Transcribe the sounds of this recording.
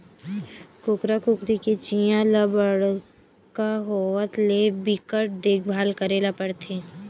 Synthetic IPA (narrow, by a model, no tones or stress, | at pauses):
kʊkɾakʊkɾiket͡ʃijãləbəɽ | kaɦowət̪lebɪkəʈ̚d̪eːkʰbʱaːlkəɾeːlapəɽt̪ʰeː